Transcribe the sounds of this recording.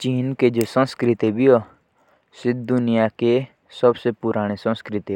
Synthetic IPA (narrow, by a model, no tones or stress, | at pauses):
t͡ʃiːnked͡ʒosə̃nskɾɪt̪ibʱio | sɪd̪d̪ʊnijake | səbsepʊɾaːɽ̃esə̃nskɾɪt̪i